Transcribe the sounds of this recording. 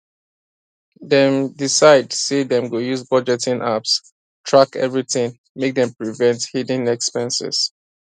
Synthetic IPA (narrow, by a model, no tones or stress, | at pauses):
ðɛ̃mdisaɪdsedɛ̃mɡojuzbɔd͡ʒɛtĩnʔaps | tʰɹakɛ̰vɹiθɪ̃ŋ | mek̚dɛ̃mpɹivɛ̃nthidĩnɛkspɛ̃nsɛ̰z̥